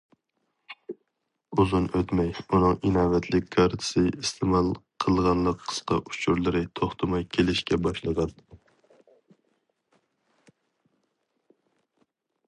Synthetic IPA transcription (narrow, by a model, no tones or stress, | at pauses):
uzɨnøt̪mɛjunɨŋinɑːvɛt̪ʰlɪkʲkʰːɑɾt̪ʰɨ̥sɨist̪ʰɪmɑlˠqʰəlˠʁɑnlˠəqʰːə̥sqɑ̰ʔut͡ʃʰuɾlˠɨɾɨt̪ʰoχt̪ʰɨmɑjkʲʰelɪʃkʲɛbɑʃlˠəʁɑn